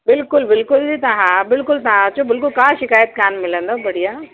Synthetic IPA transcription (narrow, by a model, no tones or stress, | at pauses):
bɪlkʊlbɪlkʊlit̪ãɦãbɪlkʊlt̪aãt͡ɕõbɪlkʊlkãːʃɪkaːjət̪̚kaːnmɪlə̃nd̪obɐɽijaː